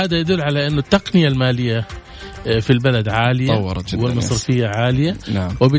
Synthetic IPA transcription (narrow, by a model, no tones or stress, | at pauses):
aːd̪ajad̪ʊlːʕalaʔɪnːʊt̪ːaqnɪjalmaːlɪjːa | filbalad̪ʕaːlɪjawːɾwɪlmɑsˤɾɪfɪjːaʕaːlɪjanawɪbɪ